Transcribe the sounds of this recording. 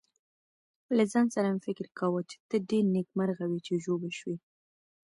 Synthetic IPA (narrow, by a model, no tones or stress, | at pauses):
lazɑnsaɾamfɪkɪɾkawət͡ʃe̥t̪əɖeɾnekmaɾɣawit͡ʃeʒobelʃwi